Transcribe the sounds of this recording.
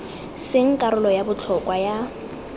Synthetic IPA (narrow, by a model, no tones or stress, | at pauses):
sɪŋ̩kʼaɾʊlɔjabʊt͡ɬʰɔkwaja